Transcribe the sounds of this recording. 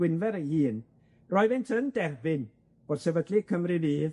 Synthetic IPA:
wɪnvɛɾəhiːn | rɔɨvɪntʰənd̥ɛrbɪn | b̥ɔd̥sɛvədlikʰəmriviːð

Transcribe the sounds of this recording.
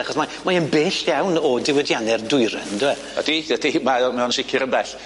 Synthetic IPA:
aχɔsmamaənbeːɬjawnɔdɪwɛdjanɛrdʊɨɾɛ̰ndɪwɛ | a̰d̥idɛtʰimajɔmɛɔnʃɪkʰɪɾənbɛɬ

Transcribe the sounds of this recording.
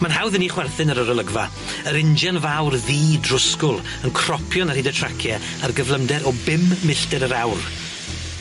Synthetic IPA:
manɦawðəniːχwɛrθɪnəɾəɾəlˠəɡva | əɾɪnd͡ʒanvawrðiːdrʊskʊlˠ | ənkʰr̥ɔpʰjɔnarhɪdətʰr̥akʰjɛ | arɡəvlˠəmdɛɾɔbɪmːɪɬtɛɾəɾawr

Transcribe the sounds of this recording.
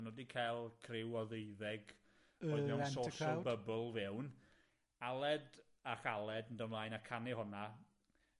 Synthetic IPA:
nodikʰajlˠkʰrɪwɔðejðɛɡ | ɔɨðɛwsoʃɔbəbəlˠvɛwn | alˠɛd | aχalˠɛdndəmlˠaːjnakʰanɪhʊna

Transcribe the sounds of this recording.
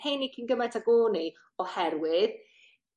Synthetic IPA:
hejnikʰinɡəmatʰaɡoːni | ɔhɛrwɪð

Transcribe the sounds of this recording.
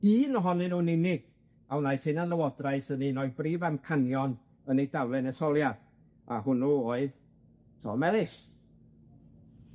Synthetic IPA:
iːnɔɦɔnɨnunɪnɪɡ̥ | awnajθhɪnanlˠəwɔdraɨsəninɔɨbriːvamkʰanjɔn | ənejdawlˠɛnɛsɔlˠjad̥ | a̰hʊnuoːɨð | tʰɔ̰mɛlˠɪs

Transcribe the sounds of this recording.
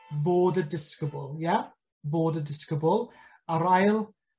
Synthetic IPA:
voːdədɪskəbɔlˠja | voːdədɪskəbɔlˠ | əɾajlˠ

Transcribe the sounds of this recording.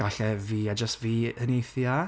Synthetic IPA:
aɬɛviːad͡ʒəstviːənejθja

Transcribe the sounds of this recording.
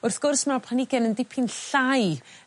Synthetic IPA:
ʊrθɡ̥ʊrsmapʰanɪɡɛnəndɪpʰɪnɬaj

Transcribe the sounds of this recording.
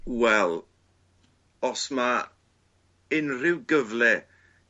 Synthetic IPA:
wɛlˠ | ɔsma | ɪnrɪwɡəvlɛ

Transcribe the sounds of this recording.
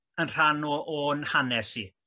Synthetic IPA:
ənr̥anɔʔoːnhanɛsi

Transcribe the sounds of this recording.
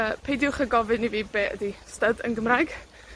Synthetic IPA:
əpʰejdjʊχəɡɔvɨniviːbeːə̰distədə̰nɡəmrajɡ̥

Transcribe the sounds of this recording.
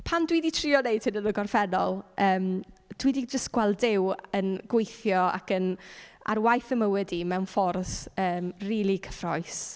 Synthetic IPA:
pʰandwiːditʰriːɔnejd̥̚sʰɪnələɡɔrfɛnɔlˠʔəːmd̥wiːdid͡ʒəstɡ̥wɛlˠdɪwənɡwejθjɔa̰kəna̰rwajθəməwɛdimɛwnfɔrsəːmriːlˠikʰə̥frɔjs

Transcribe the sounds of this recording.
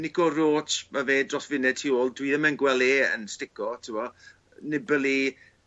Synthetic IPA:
nɪkɔroːtʰmaveːdrɔsvɪnɛd̚tʰioːlˠdwiðəmɛnɡwɛlˠeːə̰nstɪkɔtʰɪɔ | nɪbəlˠi

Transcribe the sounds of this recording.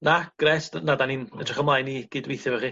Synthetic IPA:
naɡ̥rɛstnadaninədʰrəχɔmlˠajniːɡ̥iːdwejθjɔvɛχi

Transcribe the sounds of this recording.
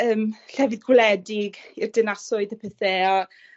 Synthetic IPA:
əːmɬɛvɪðɡwlɛdɪɡirdɪnasɔɨðəpʰɛθeːɔ

